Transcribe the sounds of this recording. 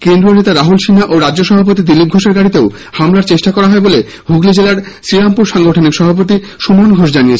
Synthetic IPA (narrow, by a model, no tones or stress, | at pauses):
kend̪ɾionet̪aɾaɦulʃinaʔoɾad͡ʑd͡ʑoʃɔbʱapot̪̬id̪ilip̚ɡʱoʃeɾɡaɽit̪eo | hamlaɾt͡ɕeʃʈakɔɾaɦɔebole | bʱuɡlid͡ʑelaɾsɾiɾampuɾʃaŋɡoʈʰonikʃɔbʱap̬ot̪̬i | ʃumanɡʱoʃ̬d͡ʑanijet͡ɕʰe